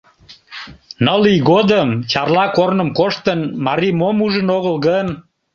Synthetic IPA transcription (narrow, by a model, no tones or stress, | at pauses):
nəliɣod̪əmt͡ɕɑrlɑkornəmkoʃt̪ənmɑɾimomuʒənoɣəlɣən